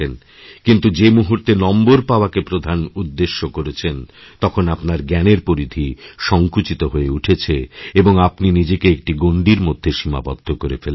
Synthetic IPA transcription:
en | kint̪ud͡ʑemuɦuɾt̪enɔmboɾpaoakepɾod̪ʱanud̪ːeʃːokoɾet͡ɕʰent̪ɔkʰonapnaɾɡɛneɾpoɾid̪ʱiʃɔŋkut͡ɕit̪oɦoeuʈʰet͡ɕʰeeboŋapninid͡ʑekeek̚ʈiɡoɳɖiɾmod̪ʱːeʃima̰bɔ̰d̪ʱːokoɾefel

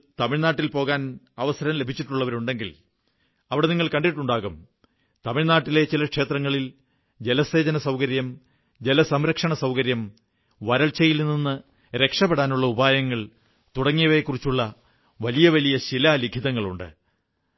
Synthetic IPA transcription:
t̪ɐmiɻnaːʈːilpo̞ːɣaːn | ɐʋɐsɐɾɐmle̞bʱit͡ɕːiʈːuɭːɐʋɐɾuɳɖe̞ŋɡil | ɐʋiɽe̞niŋːɐɭkɐɳɖiʈːuɳɖaːɣum | t̪ɐmiɭnaːʈːile̞t͡ɕilɐkʂe̞ːt̪rɐŋːɐɭil | d͡ʑelɐse̞ːd͡ʑɐnɐsɐwkɐɾjɐm | d͡ʑe̞lɐsɐmɾɐkʂɐɳɐsɐwkɐɾjɐm | ʋɐɾɐɭt͡ɕːɐjilninːɨ | ɾe̞kʂɐpːeɽaːnuɭːɐubʱaːjɐŋːɐɭ | t̪uɽɐŋːijɐʋe̞kːurit͡ɕːuɭːɐ | ʋɐlijɐʋɐlijɐɕilɐliɡʱiðɐŋːɐɭuɳɖɨ̰

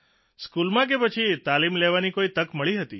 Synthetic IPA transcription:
skulmãk̬epət͡ʃʰit̪alimleʋanikoit̪əkməɭiɦət̪i

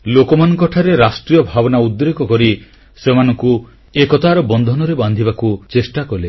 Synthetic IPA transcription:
lokɔmanɔ̃ŋkɔʈʰaɾeɾasʈɾijɔbʱabɔnaud̪ɾekɔkɔɾi | semanɔŋku | ekɔt̪aɾɔbɔnd̪ʱɔnɔɾeband̪ʱibakut͡ʃesʈakɔle

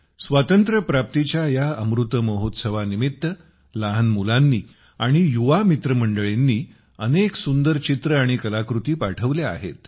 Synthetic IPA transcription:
sʋat̪ənt̪ɾəpɾap̚t̪it͡ɕjajaəmɾut̪əməɦot̪səʋanimit̪ːə | laɦənmulanːiː | aɽ̃ijuʋamit̪ɾəməɳɖəɭenːiː | əneksund̪əɾt͡ɕit̪ɾəaɽ̃ikəlakɾut̪iːpaʈʰəʋlea̰ɦḛt̪

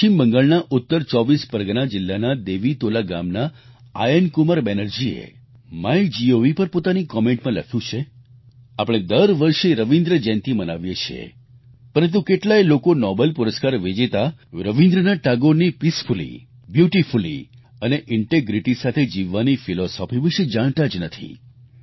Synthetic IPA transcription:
ʃʰimbəŋɡaɭnaʔʊt̪ːəɾt͡ʃɔʋispəɾɡnad͡ʒɪlːanad̪eʋit̪olaɡa̰mna | a̰jənkuməɾbenəɾd͡ʒiḛ | majd͡ʒioʋipəɾpot̪anikɔmẽɳʈmãlə̰kʰjũt͡ʃʰe | apɽ̃ed̪əɾʋəɾʃeɾəʋind̪ɾəd͡ʒɛ̃nt̪ʰiməna̰ʋjet͡ʃʰḛ | pəɾə̃nt̪̬ũkeʈlajlokonɔbəlpuɾəskaɾʋid͡ʒit̪aɾəʋind̪ɾənaʈaɡoɾnipispʰulḭ | bjuʈifulḭ | əneʔɪɳʈeɡɾiʈisat̪ʰed͡ʒiʋːanifilɔsɔpʰiʋiʃed͡ʒaɽ̃t̪ad͡ʒnət̪ʰḭ

